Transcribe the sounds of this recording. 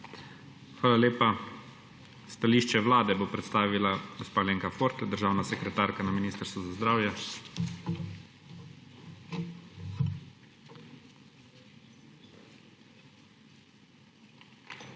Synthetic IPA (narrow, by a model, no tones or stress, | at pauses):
xʋaːlaleːpa | st̪aliːʃt͡ʃɛʋlaːd̪ɛbopɾɛt̪st̪aːʋilaɡospaːleːŋkafoɾt̪ɛd̪əɾʒaːwnasɛkɾɛt̪aːɾkanaminist̪əɾst̪ʋuzazd̪ɾaːwjɛ